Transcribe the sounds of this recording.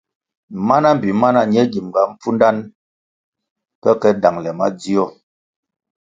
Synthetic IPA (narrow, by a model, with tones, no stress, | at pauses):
ma˦na˦m̩˨bi˨ma˦na˦ɲ˦ɛ˦ɡi˨m˨ɡa˨m̩˦p͡fu˦nda˦n | kɛ˦kɛ˦da˨ŋlɛ˨ma˦d͡zi˦ɔ˦˨